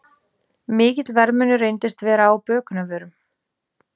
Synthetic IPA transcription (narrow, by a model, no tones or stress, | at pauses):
mɪːcɪt̪lvɛɾmʏnʏrejnt̪ɪst̪vɛːɾaːwpœːkʏnavœːɾʏm